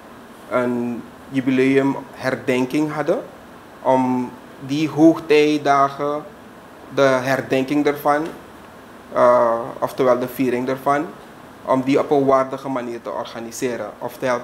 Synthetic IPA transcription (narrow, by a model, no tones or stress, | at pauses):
ʔən | jybileːəmɦɛrdɛŋkɪŋɦɑdə | ʔɔm | diɦoːxtɛjdaːχə | dəɦɛrdɛŋkɪŋdərvɑn | ɔ̰ftəʋɛlˠdəfiːɾɪŋdɛrfɑn | ʔɔ̰mdiɔpənʋaːrdəχəmaniːrtə̰ʔɔ̰rχanisɪːɾə̰ʔɔftəɛl